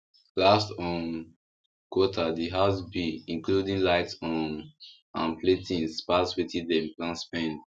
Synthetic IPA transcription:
lastɔ̃n | kwɔtʰadiɦazbiĩŋkludĩŋlaɪtsɔ̃n | ãnpʰletʰĩnspaswitĩdɛ̃mplãnspɛ̃n

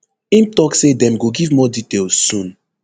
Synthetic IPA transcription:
ĩmtɔksedɛ̃mɡoɡivmɔditelsũn

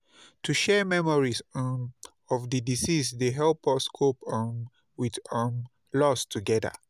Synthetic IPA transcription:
tʰuʃɛmɛmɔɹis | ɔfdədisisdeɦɛlpɔskʰopən | widm | lɔstʰuɡɛdə̰

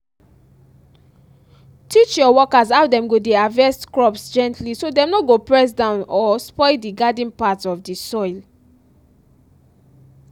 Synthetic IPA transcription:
tʰit͡ʃjɔwɔkazaʊdɛ̃mɡodeavɛstkɹɔpsd͡ʒɛ̃ntʰlisodɛ̃mnɔɡopɹɛs̬dãʊ̃nɔspɔɪldiɡadĩnpatɔfdisɔɪl

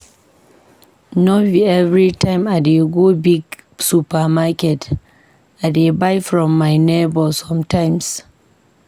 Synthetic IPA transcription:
nɔviɛvɾitaɪmadeɡobiɡsupamakɛt | ʔadebajfɾɔmːajnebɔlsɔmtajms

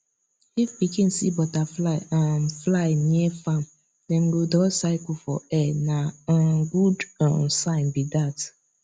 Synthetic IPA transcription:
ifpikin̩sibɔta | flajnefam̩ | neŋ̩ɡodɔsaɪkʊfɔ̰ɛnaɡudɔsaɪnbidat

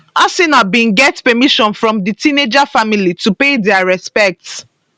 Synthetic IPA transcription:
asinabĩnɡɛtpɛmiʃɔ̃nfɹɔ̃mditined͡ʒafamilitupedɛaɹɛspɛk̚t

